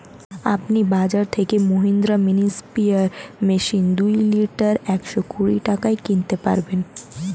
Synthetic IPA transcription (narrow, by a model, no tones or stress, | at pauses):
a̰pnibad͡ʑaɾt̪ʰekemoɦind̪ɾaminispiaɾmeʃind̪ujliʈaɾɛkʃɔkuɾḭʈakaekint̪epa̰ɾben